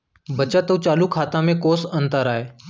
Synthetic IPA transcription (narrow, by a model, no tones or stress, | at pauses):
bət͡ʃat̪əʋt͡ʃaːlukʰaːt̪ãːmẽkoːsənt̪əɾaːeː